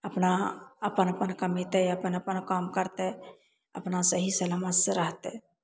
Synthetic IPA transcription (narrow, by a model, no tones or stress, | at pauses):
əpnaəpənəpənkəmet̪ɛəpənəpənkamkəɾt̪ɛ | ə̰pnasəɦisəlamət̪sẽɾəɦt̪e